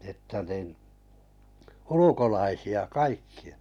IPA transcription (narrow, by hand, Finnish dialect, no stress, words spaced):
etːæ nin ulukolɑisiɑ kɑikːiɑ̥